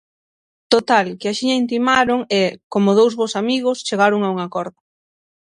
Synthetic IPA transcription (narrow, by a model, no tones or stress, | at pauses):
t̪ot̪alkɪaʃiɲaint̪̬imaɾoŋɛkomʊð̞owzβosamiɣ̞ʊst͡ʃeɣaɾʊŋauŋakɔɾðʊ